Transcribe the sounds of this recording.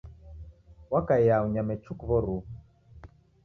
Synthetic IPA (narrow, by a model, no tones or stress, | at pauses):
wakajjauɲamɛt͡ʃukβɔɾu